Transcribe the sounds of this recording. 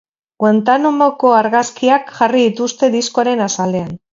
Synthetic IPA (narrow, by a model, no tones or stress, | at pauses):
kwent̪anomoko̞aɾɣaskiakʝariðit̪ust̪e̞ðisko̞aɾe̞nasale̞an